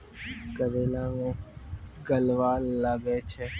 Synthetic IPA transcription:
kəɾeːlãːŋõːɡəlʋaːaɡeːt͡ʃʰeː

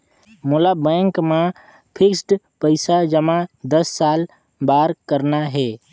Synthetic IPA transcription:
molabɛ̃ːŋkmã | pʰɪksʈ | pəɪsad͡ʒəmãd̪əsːaːl | baːɾkəɾnaɦɛː

